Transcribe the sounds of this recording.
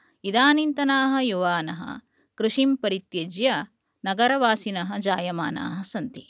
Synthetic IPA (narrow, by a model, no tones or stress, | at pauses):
id̪aːnint̪ɐnaːɦɐ̆juʋaːnɐɦɐ̰ | kɾuʂimpɐɾit̪jed͡ʒjɐ | nɐɡɐɾɐʋaːsinɐɦɐ̆d͡ʒaːjɐma̰ːna̰ːɦɐsɐnt̪i